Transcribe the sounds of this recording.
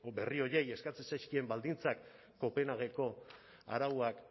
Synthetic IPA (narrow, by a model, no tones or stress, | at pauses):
be̞rio̞ɾe̞je̞skat͡sesajskie̞mbald̪int͡sakː | o̞pe̞naɣ̞e̞ko̞ | a̰ɾawuak